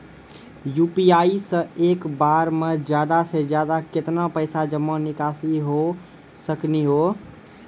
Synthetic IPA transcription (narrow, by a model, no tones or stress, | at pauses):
jupiaisə̃ʔekbaɾmed͡ʒjad̪ased͡ʒjad̪aket̪napəɪsad͡ʒəmːə̃nikasiɦo | səkniɦo